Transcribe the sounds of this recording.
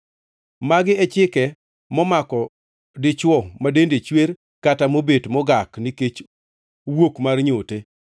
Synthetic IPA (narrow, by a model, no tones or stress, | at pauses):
maɡɪɛt͡ʃɪkɛ | mɔmakɔ | dɪt͡ʃwɔmadendet͡ʃweɾ | katamobetmɔɡakniket͡ʃ | wokmarɲote